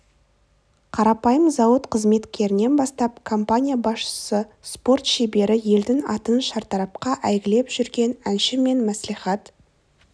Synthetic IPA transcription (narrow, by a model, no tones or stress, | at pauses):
qʰɑɾɑpɑjəmzɑwət̪qʰəzme̞t̪kʲʰe̞ɾɪne̞nbɑst̪ɑpkʰo̞mpanʲijabɑsʃə̥səspo̞rt̪ʃebe̞ɾɪje̞ld̪ɪŋɑ̰t̪ənʃɑɾt̪ɑɾɑp̚qɑʔæjɡʲɪle̞pʒ̥ʏɾɡʲe̞nænʃɪme̞nmæsliχɑt̪